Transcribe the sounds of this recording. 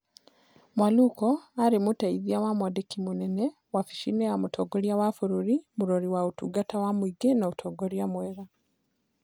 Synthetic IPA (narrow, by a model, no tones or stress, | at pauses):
mwalukoaɾimutaiðiawamwadekimunene | wafi̥ʃinejamutʰoɡoɾjawafuɾuɾimuɾoɾiwautuɡatawamwiɡenautʰoɡoɾjamweɾa